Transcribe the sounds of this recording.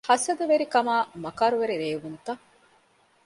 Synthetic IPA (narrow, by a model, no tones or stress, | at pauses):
hɐsɐd̪ɐʋeɾikɐmaːmɐkaːɾuʋeɾiɾeːʋunt̪ɐ